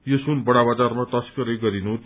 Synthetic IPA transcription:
josunbʌɽ̃abad͡zarmat̪ʌskʌɾʌjɡʌɾinu

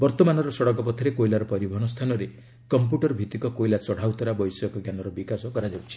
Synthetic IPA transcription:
bɔɾt̪ɔmanɔɾɔsɔɽɔk̬ɔpɔt̪ʰɔɾekojlaɾɔpɔɾibʱɔɦɔnɔst̪ʰanɔɾe | kɔmpjuʈɔɾbʱit̪ikɔkojlat͡ʃɔɽ̤awt̪ɔɾabɔjsɔɔkɔɡjanɔɾɔbikasɔkɔɾad͡ʒabɔt͡ʃʰi̥

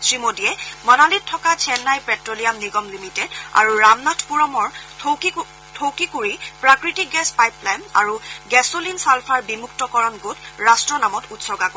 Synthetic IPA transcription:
sɹimodijɛmɔnalitʰːɔkat͡ʃʰɛnːajpɛtɹoliamniɡɔmlimitɛda̰ɹuɹamnatʰpuɹɔmɔɹ | tʰowkikuɹipɹakɹitik̚ɡɛspajplajma̰ɹuɡɛsolinsalpʰaɹbimuktɔkɔɹɔnɡotɹastɹɔnamɔtutsɔɡako

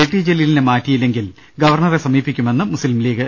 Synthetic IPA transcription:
eʈːid͡ʑelilinemaːtːijilːe̞ŋɡil | ɡɐʋɐrɳɐresɐmiːpːikʲːume̞nːɨmusilmliːɣɨ

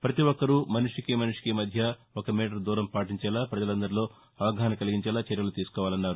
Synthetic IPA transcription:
pɾɐt̪iʋɔkːɐɾumɐnuʂikimɐnuʂi̥kimɐd̪ʱjɐɔkɐmiːʈ̬ɐɾd̪uːɾɐmpaːʈiɲt͡ʃɛːlaːpɾɐd͡ʒɐlɐnd̪ɐɾilo̞ː | ɐʋɐɡɐɦɐnɐkɐliɡiɲt͡ʃɛːlaːt͡ʃɛɾjɐlut̪iːsu̥kɔːʋaːlɐnːaːɾu

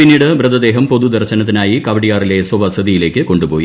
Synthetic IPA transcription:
pinːiːɽɨʋrɨd̪ɐd̪e̞ːɦɐmpo̞ðud̪ɐrɕɐnɐt̪ːinaːjikɐʋɐɽijaːrile̞swɐʋɐsɐd̪ijile̞ːkːɨko̞ɳɖupo̞ːji

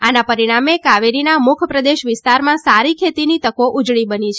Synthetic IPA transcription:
anapəɾiɽ̃amekaʋeɾinamʊkʰəpɾəd̪eʃʋɪst̪aɾmãsaɾikʰet̪init̪əkoʔud͡ʒɭibənit͡ʃʰ

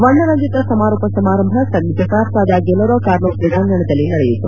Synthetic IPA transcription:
ʋɐɳːɐnɐɲd͡ʒit̪ɐsɐmaːɾoːpɐsɐmaːɾɐmbʱɐsɐnid͡ʒʱɐkaːpsaːd̪aːɡɛlːɐɾoːkaːɾloːpɾiɡ̪aːŋɡɐɳɐd̪ɐlːinɐɽɛjut̪ːṵ

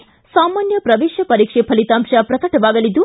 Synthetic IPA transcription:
saːmaːnjɐpɾɐʋeːʃjɐpɐɾiːkʂepʰɐlit̪aːmʃɐpɾɐk̪ɐʈɐʋaːɡɐlid̪ːu

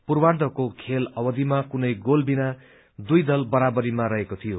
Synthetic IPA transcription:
purward̪ʱʌkokʰelʌbʌd̪ʱimakunʌjɡolbina | d̪ujd̪ʌlbʌɾabʌɾimaɾʌɦekot̪ʰijo

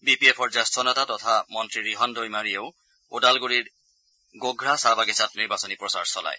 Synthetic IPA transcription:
bipiepʰɔɹzastʰɔnatatɔtʰamɔntɹiɹiɦɔndʱojmaɹieʊ | udalɡuɹiɹ | ɡoɡɹasaɹbaɡisatniɹbasɔnipɹɔsaɹsɔla̰j

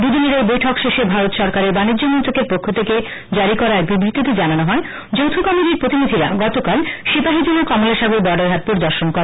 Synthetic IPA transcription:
d̪ud̪iniɾejbojʈʰɔkʃeʃebʱaɾot̪ʃɔɾkaɾeɾbanidd͡ʑːomɔnt̪ɾokeɾpokʰːot̪ʰeke | d͡ʑaɾikɔɾaɛk̚bibɾit̪ːit̪id͡ʑananoɦɔe | d͡ʑowt̪ʰukɔmiʈiɾpɾot̪inid̪ʱiɾa̰ɡɔt̪okalʃibaɦid͡ʑilokɔmoleʃaɡuɾbɔɖaɾɦat̪̚poɾd̪ɔɾʃonkoɾa

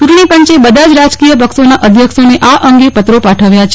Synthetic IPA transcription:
t͡ʃuʈɳ̃ipəɲt͡ʃebəd̪ʱad͡ʒɾad͡ʒkijəpəksonaʔəd̪ʱjəkʃoneʔaʔəŋɡepət̪ɾopaʈʰəʋjat͡ʃʰ

